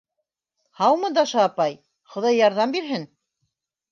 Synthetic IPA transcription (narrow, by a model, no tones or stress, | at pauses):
hɑwmɤ̆d̪ɑʃɑːpɑj | χŏðɑjːɑɾðɑmbiɾɦɘn